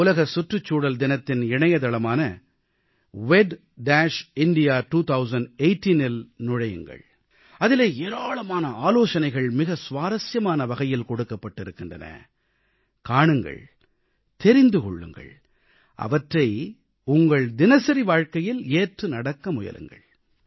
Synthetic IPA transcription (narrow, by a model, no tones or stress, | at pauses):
ʊlɐɣɐsʊʈrɯt͡ʃːuːɽɐld̪ɪnɐt̪ːɪnɪɳɐjɐt̪ɐlɐmaːnɐ | ʋɛɖ | ɖaːʂɪɳɖɪjaːʈuːt̪ʰɐʊsɐnɖeɪʈːinɪlnʊɻɐjɯ̰ŋɡɐ̰ɭ | ɐðɪleːeːɾaːɭɐmaːnɐaːloːʂɐnɐɪɣɐɭmɪɣɐsʋaːɾɐsjɐmaːnɐʋɐɣɐjɪlkɔɽɯkːɐpːɐʈːɪɾɯkːɪndrɐ̰nɐ̰ | kaːɳɯŋɡɐ̰ɭ | t̪ɛɾɪnd̪ɯkɔ̰ɭːɯ̰ŋɡɐ̰ɭ | ʔɐ̰ʋɐʈrɐɪ | ʊŋɡɐɭd̪ɪnɐsɐɾiʋaːɻkɐjɪleːʈrɯnɐɽɐkːɐmʊjɐ̰lʔɯ̰ŋɡɐ̰ɭ